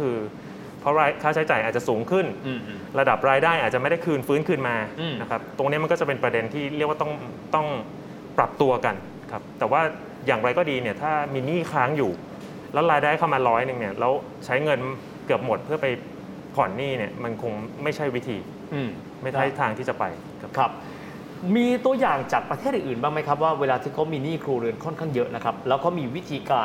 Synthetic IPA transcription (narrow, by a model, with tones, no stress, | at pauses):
kʰɯː˧ | pʰɾɔ˦˥ɾaː˧jkʰaː˥˩t͡ɕʰa˦˥jt͡ɕaː˨˩ʔa˨˩t̪̚t͡ɕa˨˩suː˩˦ŋkʰɯ˥˩n | ɾa˧da˨˩p̚ɾaː˧jdaː˥˩jʔaː˨˩t͡ɕa˨˩ma˥˩jda˥˩jkʰɯː˧nfɯː˦˥nkʰɯː˧nmaː˧na˦˥kʰa˦˥p̚t̪o˧ŋni˦˥m˧nkɔː˥˩t͡ɕa˨˩pe˧npɾa˧de˧nt̪ʰiː˥˩ɾi˥˩əkwaː˥t̪ɔ˥˩ŋ | t̪ɔ˥˩ŋ | pɾa˨˩p̚t̪u˧ɐka˧n | kʰa˦˥p̚t̪ɛː˨˩waː˥˩ | jaː˨˩ŋɾa˧jkɔː˥˩diː˧ni˥˩ɐt̪ʰaː˥˩miː˧niː˥˩kʰaː˦˥ŋjuː˨˩ | lɛː˦˥wɾaː˧jdaː˥˩jkʰa˧maː˧lɔː˦˥jnɯ˧ŋni˥˩ɐlɛː˦˥w | t͡ɕʰa˦˥jŋɤ˧n | kɯ˨˩əp̚mo˨˩t̪̚pʰɯ˥˩ɐpa˧j | kʰɔː˨˩nːiː˥˩ni˥˩ɐma˧nkʰo˧ŋma˥˩jt͡ɕʰa˥˩jwi˦˥t̪ʰiː˧ | ɯː˧˩ | ma˥˩jʰa˦˥˩jt̪ʰaː˧ŋt̪ʰiː˥˩t͡ɕa˨˩pa˧j | kʰa˦˥p̚ | miː˧t̪u˧ɐjaː˨˩ŋt͡ɕaː˨˩k̚pɾa˧t̪ʰeː˥˩t̪̚ɨː˨˩nʔɯː˨˩nbaː˥˩ŋma˦˥jkʰa˦˥p̬̚waː˥˩weː˧laː˧t̪ʰiː˥˩kʰa˦˥wmiː˧niː˥˩kʰuː˧ɾɯ˧ənkʰɔ˥˩nkʰaː˥˩ŋjɤ˦˥ʔna˦˥kʰa˦˥p̚lɛː˦˥wkɔː˥˩miː˧wi˦˥t̪ʰiː˧kaː˧